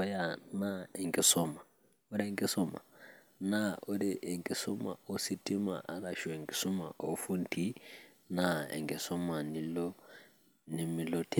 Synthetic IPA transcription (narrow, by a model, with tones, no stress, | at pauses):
ɔ˦ja˨na˦e˨ŋki˨sɔ˦ma˨ | o˦ɾe˦ŋɡi˦sɔ˦ma̰˨ | na˦o˦ɾi˦ʔe˨ŋki˨so˦ma̰˨o˦si˦ti˦ma̰˨ʔa˨ɾa˨ʃwe˨ŋɡi̥˨sɔ˦ma̰˨ʔo˦fu˦nti˦ | na˦ḛ˨ŋɡɛ˨sɔ˦ma˨ni˨lɔ˦ | ni˨mi˨lo˦tʰi˦